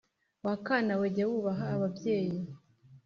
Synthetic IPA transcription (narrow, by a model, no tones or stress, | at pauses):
wakaːnaweɟawuβaɦaːβabje̞ːji